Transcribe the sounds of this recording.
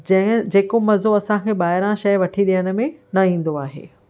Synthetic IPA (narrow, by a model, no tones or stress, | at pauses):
d͡ʑɐ̃ɦɪ̃d͡ʑeːkomɐzoɐsãkʰeːɓaːɦɪɾãʃɐjʋɐʈʰiɗijəɽ̃ʊ̆mẽnɐĩːn̆d̪oaːɦḛː